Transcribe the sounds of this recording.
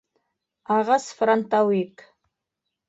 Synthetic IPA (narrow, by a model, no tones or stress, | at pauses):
aʁasfrant̪ʰʼawikʼ